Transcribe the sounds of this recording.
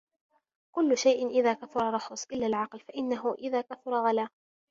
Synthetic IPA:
kʊlːʊʃajʔɪnʔɪðaːkafʊɾˤɑrˤːɑxʊsˤʔɪlːaːlʕɑqlfaʔɪnːaɦʊʔɪðaːkafʊɾˤɑɣalaː

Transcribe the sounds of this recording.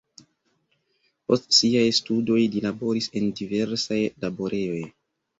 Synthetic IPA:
postsiajstudo̞jlilabo̞ɾise̞ndive̞ɾsajlabo̞ɾe̞jo̞j

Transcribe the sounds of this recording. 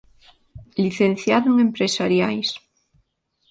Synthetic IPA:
liθenθjaðuŋempɾesaɾjajs

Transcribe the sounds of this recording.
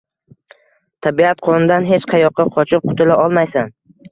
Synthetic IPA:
t̪ʰabiat̪̚qʰɒnɪd̪anɦe̞t͡ʃqʰɑjɒqʰːɑqʰɒt͡ʃʰɪp̚qʰʊ̥t̪ʰɪlaʔɒlˠmajsan

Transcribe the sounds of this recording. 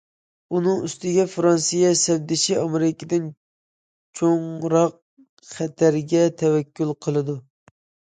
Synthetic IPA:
unɨŋyst̪ɪɡʲɛfɾɑnsijɛsɛwd̪ɪʃiɑmeɾɪkʲɪd̪ɪn | t͡ʃʰoŋɾɑq̚ | χæt̪ʰæɾɡʲɛt̪ʰɛwɛkʲːylˠqʰəlˠɨd̪u

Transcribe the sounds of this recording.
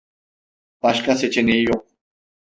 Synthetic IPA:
paʃkasɛt͡ʃɛnejjoq̚

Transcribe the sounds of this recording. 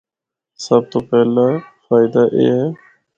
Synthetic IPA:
səb̚t̪oːpɛːlafaːɪd̪aːʔḛːe

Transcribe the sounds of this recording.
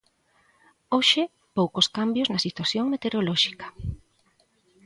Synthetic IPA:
oʃɪ | powkoskambjoznɐsit̪waθjoŋmet̪eɾolɔʃi̥kɐ̥

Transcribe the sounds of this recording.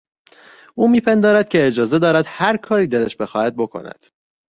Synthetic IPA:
ʔuːmiːpʰend̪ɒːɾæd̪̥̚cʲʰe̞ːd͡ʒɒːze̞d̪ɒːɾæd̪̥hæɾkʰɒːɾiːd̪eleʃbe̞xɒːhæd̪̚bo̞kʰo̰næ̰d̪̥

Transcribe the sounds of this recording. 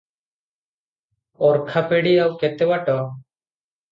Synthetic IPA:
ɔɾkʰapeɽiawkɛt̪ɛwaʈɔ

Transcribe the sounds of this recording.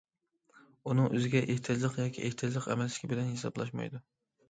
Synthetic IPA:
unɨŋʔøzɪɡʲɛʔeht̪ʰɪd͡ʒlˠəqjɑːkʲʰḭʔeht̪ʰɪd͡ʒlˠəqɛ̰mɛlsɪ̥kʲʰibɪlɛnhesɑ̰blˠɑ̰ʃmɑ̰jd̪u

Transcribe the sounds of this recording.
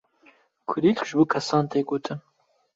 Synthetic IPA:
kʰʊɾiːlkʒɨbuːkʰɐsɑːnt̪eːɡoːt̪ʰɨn

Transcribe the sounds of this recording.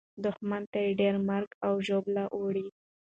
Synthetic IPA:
d̪ʊxmant̪ajeɖeɾmaɾɡawʒoblaʔoɽi

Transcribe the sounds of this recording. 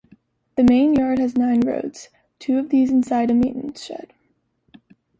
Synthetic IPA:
ðɨmẽɪ̃njɑɹd̚ɨznãɪ̃nɹo̰ʊtz̥ | tʰʉʌvðizɨ̃n̩saɪɾɨmẽɪ̃nmɨ̰̃n̩sʃɛ̰d̥

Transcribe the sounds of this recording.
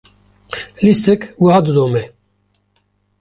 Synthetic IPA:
list̪ɛkwihaːd̪ɨd̪oːmɛ

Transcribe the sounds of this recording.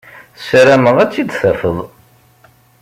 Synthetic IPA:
θsɾæməðæt͡sːid̪θæfəðˤ

